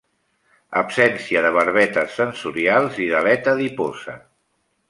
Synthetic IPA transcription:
ə̰psɛnsiəðəβəɾβ̞ɛt̪əsːənsuɾialˠziðəlɛt̪əðipozə

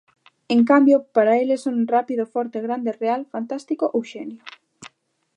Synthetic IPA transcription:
eŋkambjopaɾaelesonrapiðofɔɾt̪eɣ̞ɾand̪erealfant̪ast̪ikoʔowʃenjo

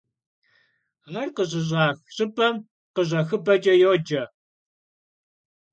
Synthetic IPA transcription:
ŋɐrqəʑɪʑɑːxɕɪbʼɐm | qəʑɐxɨbɐt͡ʃʼɐjoːd͡ʒɐ

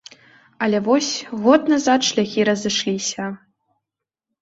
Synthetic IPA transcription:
ɐlʲɛvɔsʲɣɔt̪nazat̪ʂlʲaɣʲiɾɐzɨʂlʲisʲɐ

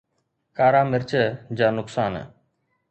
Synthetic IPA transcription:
kaːɾaːmɪɾt͡ʃʰəd͡ʒaːnʊksaːnə̰

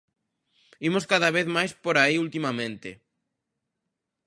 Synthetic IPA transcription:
imoskaðaβeθmajspoɾaiult̪imamẽnt̪ɪ

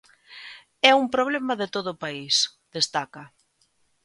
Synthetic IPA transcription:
ɛumpɾoβ̞lɛmɐðet̪oðʊːpaisð̥est̪akɐ

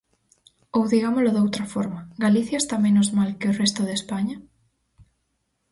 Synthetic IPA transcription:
owðiɣamolʊðowt̪ɾɐfɔɾmɐɡaliθjɐest̪amẽnʊzmalkɪorest̪oðespaɲɐ

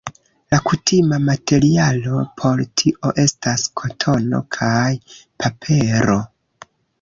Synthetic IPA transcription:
lakutʰimamatʰe̞ɾialo̞pʰo̞ɾtʰiʔo̞ʔe̞staskʰo̞tʰo̞no̞̰kʰajpapʰe̞ɾo̞

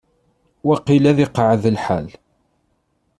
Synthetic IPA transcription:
wæqilæðɪqʕəðəlħal

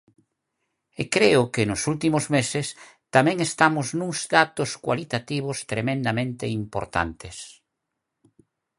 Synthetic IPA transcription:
ekɾeʊkɪnʊsult̪imʊzmesɪs | t̪amɛ̃ŋest̪amʊznuŋzd̪at̪ʊskwa̰lit̪at̪iβ̞ʊst̪ɾemẽnd̪amẽnt̪eimpo̰ɾt̪a̰nt̪es

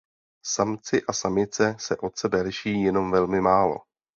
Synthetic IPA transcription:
samt͡sɪʔasamɪt͡sɛsɛʔo̞t̪sɛbɛlɪʃɪjiːjɛno̞mvɛlmɪmaːlo̞̰

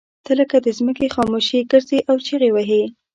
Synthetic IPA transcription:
t̪ələkad̪əzməkexɑmoʃiɡəɾzeʔawt͡ʃeɣewaɦe

